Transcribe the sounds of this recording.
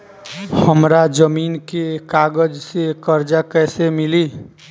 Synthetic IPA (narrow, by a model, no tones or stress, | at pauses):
həmɾad͡ʒəminkekaɡəd͡ʒsekəɾd͡ʒakɛjsemili